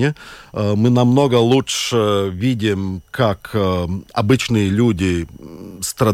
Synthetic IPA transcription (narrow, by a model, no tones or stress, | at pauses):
ɪmɨnɐmno̞ɡəlˠutʂəvʲidʲɪmkak | ɐbɨt͡ɕnɨjəlʲudʲɪ | st̪ɾɐ